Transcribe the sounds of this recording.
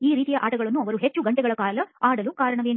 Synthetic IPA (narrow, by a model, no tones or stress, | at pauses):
iːɾiːt̪ijɐʔaːʈɐɡɐɭɐnːuɐʋɐɾuɦet͡ʃːuɡɐɳʈɛɡɐɭɐkaːlɐaːɽɐlukaːɾɐɳɐʋeːn